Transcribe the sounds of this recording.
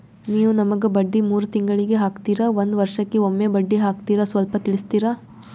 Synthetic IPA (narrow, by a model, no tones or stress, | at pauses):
niːʋunɐmɐɡebɐɖːimuːɾut̪iŋɡɐɭiɡeɦaːkt̪iːɾaʋond̪ʋɐɾʂɐkːeomːebɐɖːiɦaːkt̪iːɾɐsʋɐlpɐt̪iɭist̪iːɾaː